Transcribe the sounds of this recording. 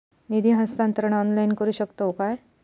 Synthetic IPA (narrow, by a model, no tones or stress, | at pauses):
nid̪iɦə̃st̪ãnt̪əɾəɳ̃ɔnlajnkəɾuːɕəkt̪əokaj